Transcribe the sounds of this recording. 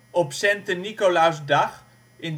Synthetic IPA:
ɔpsɛntənikolawsdɑχ | ɪn

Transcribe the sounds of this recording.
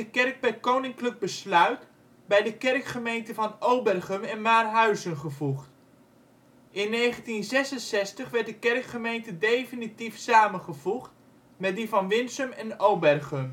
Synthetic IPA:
əkɛrk̚bɛjkownɪŋkləɡ̚bəslœɥt | bɛjdəkɛrkχəmejntəvɑnowbɛrχəmɛnmaːrɦœɥzənχəvuχt | ɪnːejχəntinzɛsənsɛstəχʋɛɹtdəkɛrkχəmejntədejfənitifsaːmənχəv̥uχt | mɛt̚divɑnʋɪnsəmɛnowbɛrχəm

